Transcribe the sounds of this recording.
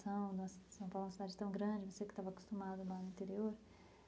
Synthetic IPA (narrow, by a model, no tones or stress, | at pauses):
sɐ̃w̃d̪ũɐsɐ̃pawlũɐsid̪ad͡ʒɪt̪ɐ̃w̃ɡɾɐ̃d͡ʒɪvosekɪt̪avɐaku̥st̪umad̪ʊlanʊĩt̪eɾioɾ